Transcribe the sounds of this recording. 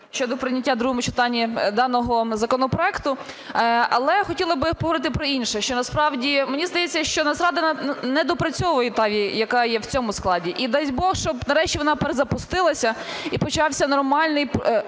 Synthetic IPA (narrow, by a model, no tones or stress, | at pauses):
ʃt͡ʃɔd̪ɔpɾɪnʲɐtʲːad̪ɾuɦɔmʊt͡ʃɪ̥t̪ɑnʲːid̪ɑnɔɦɔzɐkɔnɔpɾɔɛkt̪ʊ | ɐ̰lˠɛxɔtʲilˠɐbɪpɔɦɔʋɔɾɪt̪̬ɪpɾɔinʃɛʃt͡ʃɔnɐspɾɑwdʲimenʲizd̪ɐjɛt͡sʲːɐʃt͡ʃɔnɐsɾɑd̪ɐnnɛd̪ɔpɾɐt͡sʲɔʋʊjɛt̪ɑʋʲijɐkɑjɛwt͡sʲɔmʊsklˠɑdʲiʔid̪ɛzʲbɔxʃt͡ʃɔbnɐɾɛʃt͡ʃʲiʋɔnɑpeɾezɐpʊst̪ɪlˠɐsʲɐ | ipɔt͡ʃɑwsʲɐnɔrmɑlʲnɪjp